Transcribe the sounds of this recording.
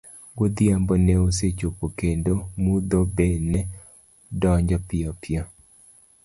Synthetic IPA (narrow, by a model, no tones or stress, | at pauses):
ɡod̪iambɔnɛoset͡ʃopokendomud̪obɛnɛ | dɔɲd͡ʒɔpɪɔpɪɔ